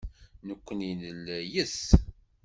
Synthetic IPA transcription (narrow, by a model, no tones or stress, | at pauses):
nəkʷːəninəlæjəθ